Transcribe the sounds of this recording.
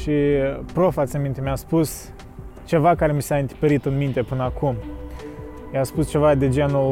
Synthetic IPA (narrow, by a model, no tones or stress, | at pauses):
ʃipɾofat̪sʲemint̪emʲaspus | t͡ʃe̞vakaɾe̞misaɨnt̪i̥peɾit̪ɨnmint̪e̞pɨnəakum | jaspust͡ʃe̞vad̪ed͡ʒenu